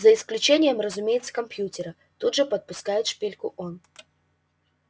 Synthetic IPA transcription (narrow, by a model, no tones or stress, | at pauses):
zəɪsklʲʉt͡ɕenʲɪjəmrəzʊmʲejɪt̪sə̥kɐmpjutʲɪɾə | t̪ud̪ʐɨpɐt̪̚pʊskajɪt̪ʂpʲelʲkʊʔon